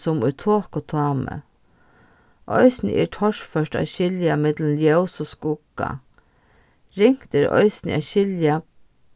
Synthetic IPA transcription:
sʊmʊjt̪ʰoːkot̪ʰɑːmə̰ | ʔɔ̰ʏsnə̰ʔɛ̰ɾʈʰɔʂfœʂʈa̰ʃɪljamɪt̪lənljɛwsoskʊkːa̰ | ɾɪŋ̥kt̪ɪɾɔ̰ɪsnɪ̰a̰ʃɪlja

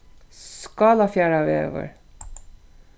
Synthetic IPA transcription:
sskɑːlɑfjæːɾɑʋḛːʋə̰ɹ

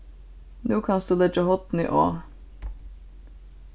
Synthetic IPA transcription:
nuːkʰɑnsd̪uːlɛd͡ʒəhɔt̪n̩ḭːʔoː

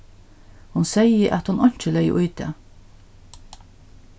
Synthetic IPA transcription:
hʊnsɛjəʔæt̪hʊnʔɔɲ̥t͡ʃəlɛjə̰ʔʊjt̪ɛ̰ː

